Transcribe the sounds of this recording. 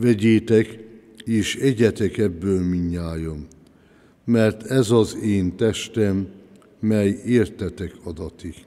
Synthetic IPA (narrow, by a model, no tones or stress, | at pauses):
vɛɟeːt̪ɛk | eːʃɛɟɛt̪ɛkɛbːøːlmiɲːaːjomː | ɛrt̪ʰɛzɒzeːnt̪ɛʃt̪ɛmː | ɛjeːrt̪ɛt̪ɛkʰɒd̪ɒt̪i